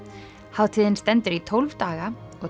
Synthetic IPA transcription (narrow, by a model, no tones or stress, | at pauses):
haːwt̪ʰiːðɪnst̪ɛnt̪ʏɾit̪ʰowlvt̪aːɣaɔɣ